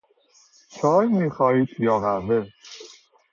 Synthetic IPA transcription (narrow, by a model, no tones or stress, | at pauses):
t͡ʃʰɒːjmiːxɒːhiːt̪̚pʰijɒːvænd̪e